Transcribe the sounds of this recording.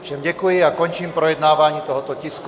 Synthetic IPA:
fʃɛmɟɛkujiakɔɲt͡ʃiːmpɾɔjɛd̪naːʋaɲiːt̪ɔɦɔt̪ɔcisku

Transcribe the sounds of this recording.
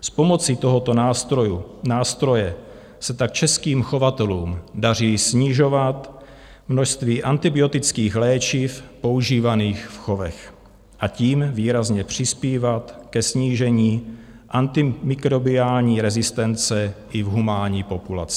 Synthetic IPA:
spo̞mo̞t͡sit̪o̞ɦot̪ojunaːst̪ɾo̞jɛ | sɛt̪ak̚t͡ʃɛskiːmxo̞vat̪ɛluːmdar̝iːsɲɪʒo̞vat̪ | mnoʃst̪viːʔant̪ɪbɪo̞t̪ɪt͡skiːxlɛːt͡ʃifpo̞uʒiːvaniːxfxo̞vɛ̰x | ʔaciːmviːɾazɲɛpr̝̥ɪspiːvat̪kɛsɲiːʒɛɲiː | ʔant̪ɪmɪkɾo̞bɪaːlɲiːɾɛzɪst̪ɛnt͡sɛʔɪvɦumaːɲiːpo̞pula̰t͡sɪ̥

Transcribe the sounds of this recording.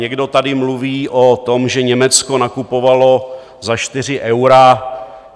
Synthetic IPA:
ɲɛɡdo̞t̪adɪmluviːʔot̪o̞mʒɛɲɛmɛt͡sko̞nakupo̞valo̞ | zaʃt̪ɪr̝ɪʔɛwɾa

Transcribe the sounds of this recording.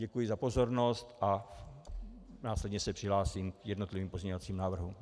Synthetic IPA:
ɟɛkujɪzapo̞zo̞ɾno̞st̪ʔa | naːslɛdɲɛsɛpr̝̥ɪɦlaːsiːmkjɛdno̞t̪lɪviːmpo̞zɲɛɲovat͡siːmnaːvr̩ɦu

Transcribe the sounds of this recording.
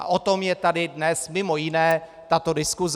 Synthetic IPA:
ʔa̰ʔot̪o̞mjɛt̪adɪdnɛsmɪmo̞jɪnɛː | t̪at̪o̞dɪskuz

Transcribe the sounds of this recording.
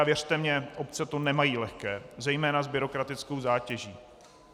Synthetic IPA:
vjɛr̥t̪ɛmɲɛʔopt͡sɛt̪onɛmajiːlɛxkɛːzɛjmɛːnazbɪɾo̞kɾat̪ɪt͡sko̞wzaːcɛʒiː

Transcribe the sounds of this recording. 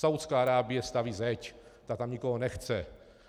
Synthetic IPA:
sawt̪t͡skaːaɾaːbɪjɛst̪aviːzɛct̪at̪amɲɪkoɦonɛxt͡sɛ

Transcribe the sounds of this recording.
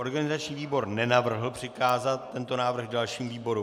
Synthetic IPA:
o̞ɾɡanɪzat͡ʃɲiːviːbo̞ɾnɛnavr̩ɦl̩pr̝̥ɪkaːzat̪ːɛnt̪o̞naːvr̩ɣdalʃiːmviːbo̞ɾu

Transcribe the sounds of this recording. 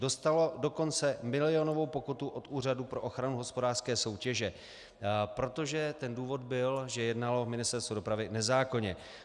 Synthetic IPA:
do̞st̪alo̞do̞ko̞nt͡sɛmɪlɪo̞no̞vo̞wpo̞kut̪uʔo̞t̪ʔuːr̝adupɾo̞ʔoxɾanuɦo̞spo̞daːr̥skɛːso̞wcɛʒɛ | pɾo̞t̪o̞ʒɛt̪ɛnduːvo̞d̪̚bɪlʒɛjɛdnalo̞mɪnɪst̪ɛɾst̪vodo̞pɾavɪnɛzaːko̞ɲɛ

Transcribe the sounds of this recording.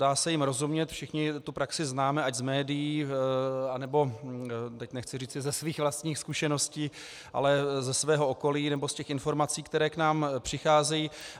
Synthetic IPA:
daːsɛjɪmɾo̞zumɲɛt̪fʃɪxɲɪt̪upɾaksɪznaːmɛaɟzmɛːdɪjiː | anɛbo̞t̪ɛcnɛxt͡sɪriːt͡sɪzɛsviːxvlast̪ɲiːxskuʃɛno̞sciː | ʔa̰lɛzɛsvɛːɦo̞oko̞liːnɛbo̞scɛxɪnfo̞ɾmat͡siːkt̪ɛɾɛːknaːmpr̝̥ɪxaːzɛjiː

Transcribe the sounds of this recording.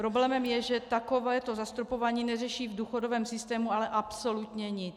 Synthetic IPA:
pɾo̞blɛːmɛmjɛʒɛt̪ako̞vɛːt̪o̞zast̪ɾopo̞vaːɲiːnɛrɛʃiːvduːxo̞dovɛːmsɪst̪ɛːmualɛʔapsolut̪ɲɛɲɪt͡s

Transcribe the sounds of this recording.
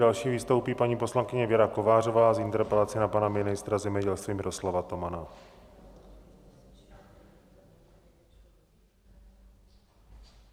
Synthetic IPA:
alʃiːviːst̪owpiːpaɲiːposlaŋkɪɲɛvjɛɾako̞vaːro̞vaːzɪnt̪ɛɾpɛlat͡sɪnapanamɪnɪst̪ɾazɛmɲɛɟɛlst̪viːmɪɾo̞slavat̪o̞mana

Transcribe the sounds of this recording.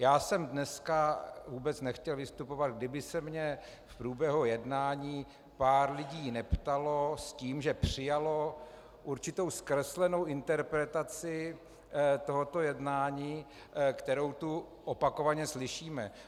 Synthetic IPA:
jaːsɛmdnɛskavuːbɛt͡snɛxcɛlvɪst̪upo̞vad̪̚ɡdɪbɪsɛmɲɛ | fpɾuːbjɛɦujɛdnaːɲiː | paːɾlɪɟiːnɛpt̪alo̞sciːmʒɛpr̝̥ɪjalo̞ | ʔuɾt͡ʃɪt̪owskɾɛslɛno̞wʔɪnt̪ɛɾpɾɛt̪at͡sɪ | t̪o̞ɦot̪ojɛdnaːɲiː | kt̪ɛɾo̞wt̪u | ʔopakovaɲɛslɪʃiːmɛ

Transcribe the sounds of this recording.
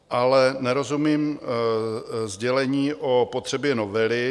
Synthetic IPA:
ʔalɛnɛɾo̞zumiːm | zɟɛlɛɲiːʔopot̪r̝̥ɛbjɛnovɛlɪ

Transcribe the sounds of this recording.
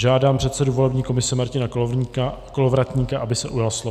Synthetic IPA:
ʒaːdaːmpr̥ɛt̪sɛduvo̞lɛbɲiːko̞mɪsɛmaɾcɪnak | kolovɾat̪ɲiːkaʔabɪsɛʔujalslo

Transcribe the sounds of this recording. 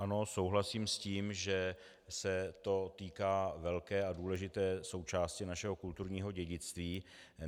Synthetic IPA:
ʔano̞so̞wɦlasiːmsciːmʒɛ | sɛt̪o̞t̪iːkaːvɛlkɛːʔaduːlɛʒɪt̪ɛːso̞wt͡ʃaːscɪnaʃɛɦo̞kult̪uɾɲiːɦo̞ɟɛɟɪt͡st̪viː

